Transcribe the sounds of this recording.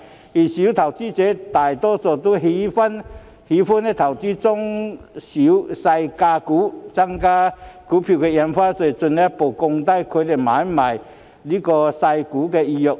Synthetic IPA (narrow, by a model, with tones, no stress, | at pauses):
i˨ɕi˨˦t̪ʰa˨˩wt͡si˦t͡ɕe˨˦t̪a˨˩jt̪ɔ˦sɔ˨˩t̪u˦ɦi˨˦fa˦n | hi˨˦fu˦˥ne˧t̪ʰa˨˩wt̪i˦t͡sʊ˦ŋɕi˨˦sa˧jka˧kuː˨˦t͡sa˦ŋka˦ku˨˦pʰi˧˨˩kʰe˧ja˧mfa˦se˧˩˨t͡sʊ˧na˦po˨˩kʊ˧ŋt̪a˥˧˨jkʰe˧˦le˨˩mã˨˦ma˨˩j | li˦kɔ˧sa˧jku˨˦ke˧i˧jo˨˧k̚